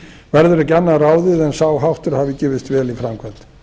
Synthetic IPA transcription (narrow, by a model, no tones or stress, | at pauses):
vɛɾðʏɾɪcɛnːaraːwðɪðɛnsaːwɦawht̪ʏɾ̥haːvɪcɛːvɪst̪vɛːlifɾamkʰvɛ̥t̪n